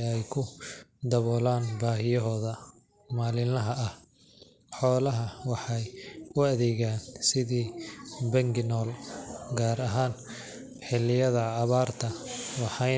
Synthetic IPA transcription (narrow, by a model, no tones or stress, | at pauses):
ɛjkʰʊd̪ɐβɔːlaːnbaːɦɪjɐɦɔːðɐ | maːlɪlɐɦɐʔɐh | ħɔːlɐɦɐwɑħɑjʊɐðɛːɣaːnsɪðiːbɐŋɡɪnɔːlɡaːɾɐɦaːn | ħɪlɪjɐðɐːβaːrt̪ʰɐwɑħɑ